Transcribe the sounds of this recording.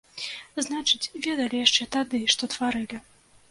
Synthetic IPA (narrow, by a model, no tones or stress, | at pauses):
znat͡ʂɨt͡sʲvʲɛd̪ɐlʲijaʂt͡ʂɛt̪ad̪ɨʂt̪ɔt̪vaɾɨlʲi